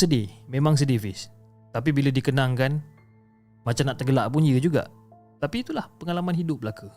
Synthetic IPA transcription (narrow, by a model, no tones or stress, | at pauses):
sədimẽmaŋs̬ədifɪs | t̪ap̬ibilədikənãŋkan | mãt͡ʃamnaʔt̪əɡəlaʔpuɲəd͡ʒuɡa̰ʔ | t̪apiːt̪ulahpəŋalamanɦidʊp̚bəlaka